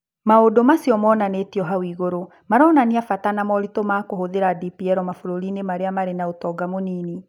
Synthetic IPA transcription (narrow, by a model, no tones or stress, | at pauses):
maodomasiɔmɔːnanetiɔɦawiɣoɾo | maɾɔːnaniafatanamɔɾitomakohoðeɾadipiɛɾɔmafoɾoɾinemaɾeamaɾenaotɔɡamoniːni